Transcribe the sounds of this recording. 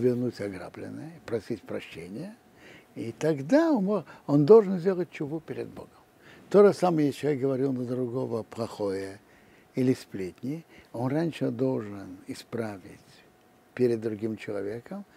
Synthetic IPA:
vʲɪrnutʲɐɡɾa̰blʲɪ̰nːəjəɪpɾɐsʲitʲpɾɐɕːenʲɪjə | it̪ɐɡd̪amond̪olˠʐɨnzʲdʲelˠət̚ʲt͡ɕʊvupʲɪɾʲɪ̰d̪̚bo̞̰ɡəm | t̪oʐəsaməjət͡ɕɪlˠɐvʲek̚ɡəvɐɾʲilˠnəd̪ɾʊɡo̞vəplˠɐxojə | ilʲɪsʲplʲet̪ʲnʲɪjo̞nranʲʂəd̪o̞lˠʐɨnɪspɾavʲɪt͡sʲ | pʲeɾʲɪd̪ːɾʊɡʲimt͡ɕɪlˠɐvʲekəm

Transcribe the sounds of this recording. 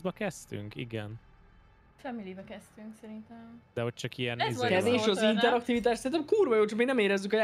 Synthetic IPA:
zbɒkɛst̪y̰ŋkḭɡɛn | fɛmilibɛkɛst̪yŋksɛɾint̪ɛmd̪̥ɛɦo̞c̚t͡ʃɒkiɛnkɛveːʃɒzint̪ɛɾɒk̚t̪ivit̪̬aːʃt̪sɛɾint̪ɛmkuːrvɒjoːt͡ʃɒkmiːnɛmeːɾɛzːykɒja

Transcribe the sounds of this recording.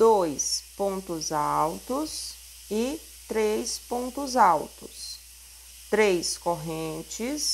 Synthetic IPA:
d̪ojspõnt̪ʊzawt̪ʊs | ɪ | t̪ɾejspõnt̪ʊzawt̪ʊs | t̪ɾejskoɦẽnt͡ʃɪs

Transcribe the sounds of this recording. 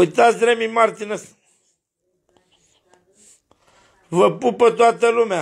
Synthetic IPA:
ujt̪at̪sʲd̪ɾemimart̪ines | vəpupət̪oat̪əlumea

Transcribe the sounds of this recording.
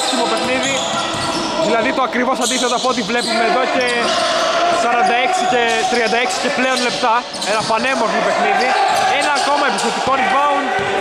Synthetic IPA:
ksimo̞pe̞xniði | ðilɐðit̪oɐkɾivo̞sɐnd̪iθet̪oɐpoot̪̬ivle̞pume̞ːðo̞ce̞ | sɐɾɐnd̪ɐe̞ksicet̪ɾiɐnd̪ɐeksi̥ce̞pleo̞nle̞pt̪ɐ | enɐpɐne̞moɾθmope̞xniðienɐːko̞mɐepiθe̞t̪iko̞nivɐun

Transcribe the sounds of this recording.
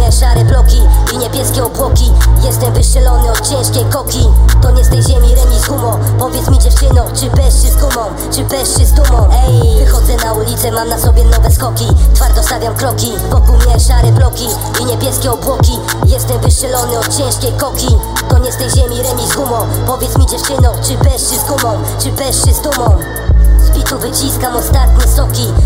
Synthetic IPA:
ɲɛʂaɾɛplɔkʲiiɲɛbʲjɛskʲɛɔbwɔkʲijɛst̪ɛmvɘʂɛlɔnɘɔt̪̚t͡ɕɛ̃w̃ʂkʲejkɔkʲit̪ɔɲɛst̪ɛjʑɛmʲiɾɛɲʲizɡumɔpɔvʲjɛt̪smʲid͡ʑɛft͡ʂɘnɔ̃t͡ʂɘpɛʂt͡ɕɛzɡumɔ̃w | t͡ʂɘbɛʂt͡ɕɛzd̪umɔ̃wɛjxɔd̪zɛnaulʲit̪sɛmamnasɔbʲjɛnɔvɛskɔkʲit̪faɾd̪ɔst̪avʲjamkɾɔkʲi | vɔkulmɲɛʂaɾɛblɔkʲi | iɲɛbʲjɛskʲɛɔbwɔkʲi | jɛst̪ɛmvɘʂɛlɔnɘɔt̪̚t͡ɕɛ̃ʂkʲejkɔkʲi | k̪ɔɲɛst̪ɛjʑɛmʲiɾɛmʲizɡumɔ̃pɔvʲjɛt̪smʲid͡ʑɛft͡ʂɘnɔ̃wt͡ʂɘpɛʂt͡ɕɛzɡumɔ̃w | t͡ʂɘpɛʂɛzd̪umɔ̃w̃ | zbʲit̪uvɘt͡ɕiskamɔst̪at̪ɲɛst̪ɔkʲi

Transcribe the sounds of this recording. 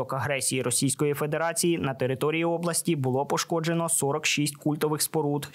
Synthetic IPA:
ɔkɐɦɾɛsʲijiɾɔsʲijsʲkɔjife̞d̪e̞ɾɑt͡sʲijinɐt̪e̞ɾɪt̪ɔɾʲijiɔblˠɐsʲtʲibʊlˠɔpɔʃkɔd͡ʒenɔsɔɾɔkʃisʲtʲkulʲt̪ɔʋɪxspɔɾut̪

